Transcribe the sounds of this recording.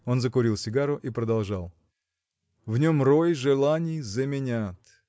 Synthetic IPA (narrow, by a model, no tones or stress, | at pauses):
o̞nzəkʊɾʲilˠsʲɪɡaɾʊʔipɾəd̪ɐlˠʐalˠ | vnʲo̞mrojʐɨlˠanʲɪjzəmʲɪnʲat̪